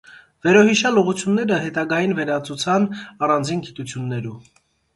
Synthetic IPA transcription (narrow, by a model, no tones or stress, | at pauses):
vɛɾɔɦiʃɑluʁut͡sʰjunːɛɾəɦɛt̪ɑɡɑjinvɛɾɑt͡sut͡sʰɑnɑrɑnd͡zinɡit̪ut͡sʰjunːɛɾu